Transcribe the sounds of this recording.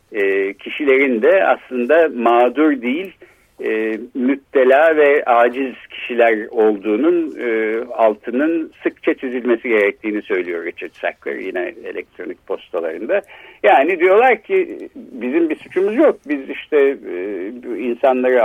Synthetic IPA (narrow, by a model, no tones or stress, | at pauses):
ɛːcʰiʃilʲe̞ɾind̪ɛa̰slˠɯnd̪amaːd̪uɾd̪ijilʲ | ɛːmyt̪ːe̞lʲaːvɛaːd͡ʒizcʰi̥ʃilʲæɾo̞lˠd̪uːnunɯːalˠt̪ʰɯnɯnsɯkt͡ʃʰat͡ʃ̪ʰyzylʲme̞siɟe̞ɾɛc̚t̪ʰiːnisø̞jlʲijo̞ɾet͡ʃʰɯt̪sa̰klˠa̰ɾjinɛ̰ḛlʲɛ̰k̚t̪ʰɾo̞nic̚pʰo̞st̪ʰalˠaɾɯnd̪ajaːnid̪ijo̞lˠaɾcʰibizimbisut͡ʃʰumuzjo̞k̚biziʃt̪ʰɛ | insanlˠaɾɯ